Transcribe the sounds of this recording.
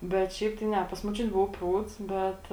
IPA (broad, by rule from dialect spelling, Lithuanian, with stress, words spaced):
bʲɛt ˈʃʲɛɪp tɐɪ ˈnʲɛ pɐs moːˈt͡ʃʲʊtʲɪ ˈbʊʋʊ ˈpruːts ˈbʲɛt